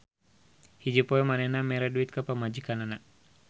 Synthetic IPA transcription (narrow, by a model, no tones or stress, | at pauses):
hid͡ʒepɔɛmanɛnamɛɾaduit̪̚kapamad͡ʒikanana